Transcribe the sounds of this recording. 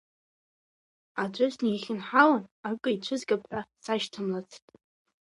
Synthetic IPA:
ad͡ʒʷʼʊsnejχʲɪnħawanakʼɨjt͡ɕʷʰɨzɡapʰħʷasaʃtʰɨmlat͡sʰtʼ

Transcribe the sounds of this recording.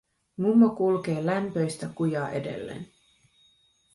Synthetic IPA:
mumːokulke̞ːlæmpø̞jst̪ækujɑːʔe̞de̞̰lːḛn

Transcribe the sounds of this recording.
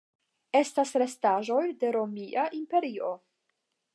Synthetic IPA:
e̞stasɾe̞staʒo̞jde̞ɾo̞miʔaʔimpe̞ɾio̞

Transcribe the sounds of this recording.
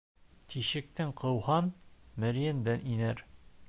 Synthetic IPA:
t̪iɕɘ̆k̚t̪ɘŋqɤ̆whɑnmɘ̆ɾijɘ̆nd̪ænʔinæɾ

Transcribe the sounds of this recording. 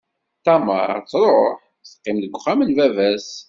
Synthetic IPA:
θæmə̰ɾˤt͡sːɾˤoħ | sqːɪmðəɡʷχæmənvævæs

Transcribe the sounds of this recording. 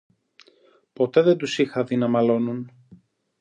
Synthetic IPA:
po̞t̪e̞ðend̪usixɐðinɐmɐlo̞nun

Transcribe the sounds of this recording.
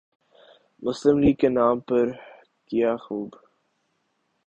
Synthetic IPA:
mʊsləmliːɡ̚kenaːmpəɾ | kijaːxuːb

